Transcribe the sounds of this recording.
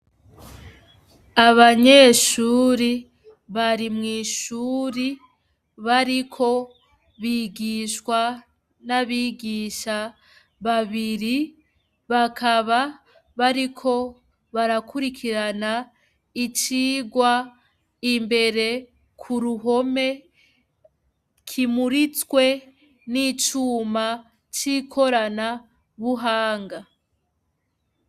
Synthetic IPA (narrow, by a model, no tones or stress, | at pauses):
aβaɲe̞ʃuːɾi | βaɾimŋiːʃuːɾi | βaɾikʰo̞ | βiːɡiʃwa | naβiːɡiːʃa | βaβiɾi | βakʰaβa | βaɾikʰo̞ | βaɾakʰuɾikʰiɾana | it͡ʃiːɡwa | imbe̞ɾe̞ | kʰuɾuɦo̞me̞ | kʰimuɾit͡swe̞ | nit͡ʃuːma | t͡ʃikʰo̞ɾana | βuɦaːŋɡa